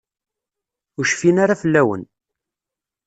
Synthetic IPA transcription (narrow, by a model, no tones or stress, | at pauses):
ʊʃfinaɾafəlːæwə̰n